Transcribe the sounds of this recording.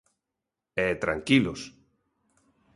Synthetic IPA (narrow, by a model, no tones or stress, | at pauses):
ɛt̪ɾa̰ŋkilʊs